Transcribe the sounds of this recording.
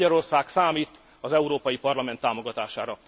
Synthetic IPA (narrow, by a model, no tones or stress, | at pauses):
ɒɾo̞rsaːksaːmiːt̪ | ɒzɛuɾoːpɒjipɒrlɒmɛnt̪ːaːmo̞ɡɒt̪aːʃaːɾɒ